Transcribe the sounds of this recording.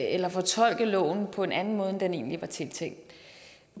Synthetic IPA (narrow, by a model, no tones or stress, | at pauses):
elɐfɒ̽t͡sʰɒ̽l̰ɡ̥ðlɔ̰̽ːn̩pʰɒ̽e̝nænn̩mɔ̽ːð̞ˠd̥ene̝̰ːnliʋɑ̈t͡sʰe̝lt͡sʰeŋ̰d̥̩ˠ